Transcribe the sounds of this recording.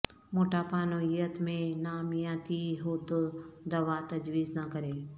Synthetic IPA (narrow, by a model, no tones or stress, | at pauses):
moːʈaːpaːnoijət̪mẽnaːmijãːt̪iɦoːt̪od̪ɐʋat̪ɐd͡ʒwiːznakəɾeː